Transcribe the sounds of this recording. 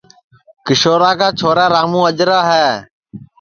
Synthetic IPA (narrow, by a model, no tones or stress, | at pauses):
kɪʃoːɾaːkaːt͡ʃʰoːɾaːɾaːmũːəd͡ʒɾaːɦɛː